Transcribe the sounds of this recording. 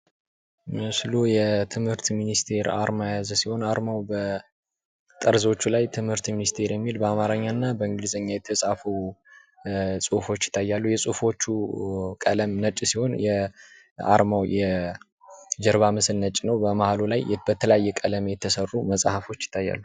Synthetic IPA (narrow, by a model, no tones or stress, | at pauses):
mɨslujɛt̪ʰɨmhɨɾt̪minist̪ʰe̞ɾa̰ɾmajazsiho̞naɾmawbə | t̪ʼəɾzo̞t͡ʃːulajt̪ʰɨmhɨɾt̪minist̪ʰe̞ɾjɛmːilbəamaɾəɲːanːabəɨŋɡɨlizəɲːajɛt̪ʰːəsʼafuw | sʼufo̞t͡ʃːjɪ̥t̪ʰːajːalːujɛsʼufo̞t͡ʃːukʼələmnət͡ʃʼsiho̞njɛ | a̰ɾmawjɛ | d͡ʒɛɾβamɨslnət͡ʃʼːnəwbəmahalulajbət̪ʰələjajːɛkʼələmjɛt̪ʰːəsərːuməsʼhafo̞t͡ʃːjɪ̥t̪ʰːajːa̰lːu